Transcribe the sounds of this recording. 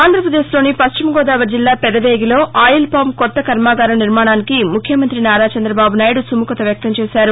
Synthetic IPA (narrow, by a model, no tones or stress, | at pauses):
aːnd̪ɾɐpɾɐd̪eːslo̞ːnipɐst͡ʃimɐɡɔːd̪aːʋɐɾd͡ʒilːaːpɛd̪ɐʋeːɡilo̞ːaːjilpaːmkɔt̪ːɐkɐɾmaːɡaːɾɐniɾmaːɳaːnikimukʰjɐmɐnt̪ɾinaːɾaːt͡ʃɐnd̪ɾɐbaːbunaːjɐɽusumukɐt̪ɐʋjɐk̚t̪ɐmt͡ʃɛːʃaːɾu